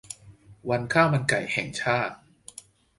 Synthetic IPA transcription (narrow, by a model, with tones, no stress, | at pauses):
wa˧nkʰaː˥˩ma˧nka˨˩jhɛ˨˩ŋt͡ɕʰaː˥˩t̪̚